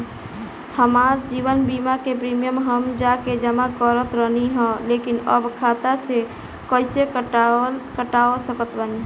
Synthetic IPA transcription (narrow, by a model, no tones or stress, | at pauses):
həmaɾd͡ʒiβənbimakepɾimijəmɦəmd͡ʒaked͡ʒəmakəɾət̪ɾəniɦə̃lekinə̰bkʰat̪ase | kəɪsek | kəʈaosəkət̪bən